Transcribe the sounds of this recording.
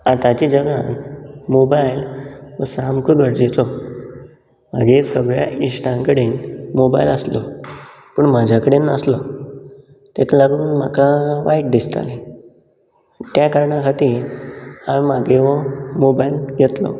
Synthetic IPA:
at̪at͡ɕid͡ʑəɡanmobajlʋəsamkuɡəɽd͡ʑet͡s̪ɔ | m̤a̰ɡesəɡɭja̰isʈãŋkəɽeːnmoba̰iləslɔ | pəːɳmad͡ʑʱakəɽenːəslɔ | t̪ek̪laɡuːnm̤a̰kaʋaiʈ̚d̪ist̪a̰le | t̪jakəɾɳãkʰat̪iː | aʋmaɡeʋɔmobailɡʱet̪lɔ̰

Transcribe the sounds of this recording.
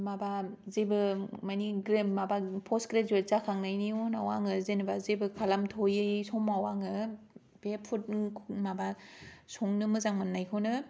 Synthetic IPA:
mabazebɯmajniɡɾemmabapʰɔskɾezezakʰaŋnajnionawaŋɯzenɯbazebɯkʰalamtʰojɯjsɔmawaŋɯ | b̥epʰut̚kʰmabasɔŋnɯmɯzaŋmɯnːajkʰɯnɯ

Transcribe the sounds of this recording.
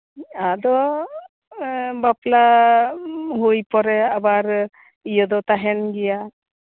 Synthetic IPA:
ad̪ɔ | bapla | ɦujpɔɾɛabaɾ | ijɔd̪ɔt̪aɦɛnɡɛja

